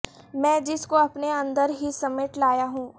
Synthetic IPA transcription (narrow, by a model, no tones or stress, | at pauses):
mɛ̃ːd͡ʒɪskoɐpneɐ̃nd̪əɾɦisɐmeːʈlaːjaɦũː